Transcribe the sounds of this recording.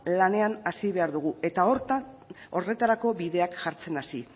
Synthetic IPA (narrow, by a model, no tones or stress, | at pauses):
lane̞anasiβe̞aɾðuɣ̞ue̞t̪ao̞ɾt̪ao̞re̞t̪aɾako̞βiðe̞akʝaɾt͡se̞nasi